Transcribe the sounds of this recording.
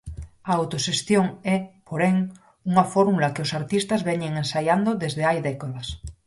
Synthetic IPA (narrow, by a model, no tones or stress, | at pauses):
aawt̪oʃest̪joŋɛpoɾeŋ | uŋafoɾmulakeosaɾt̪ist̪azβɛɲeŋensajand̪oðezðeajðɛkaðas